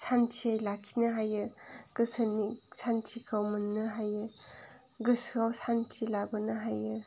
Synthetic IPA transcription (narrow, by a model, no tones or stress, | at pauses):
sʰantʰiajlakʰːinɐɦajɯɡ̥ɯsʰanisʰantʰikʰawmɐnːɯɦajɯ | ɡɯsɯawsʰantʰilabɯnɯɦajɯ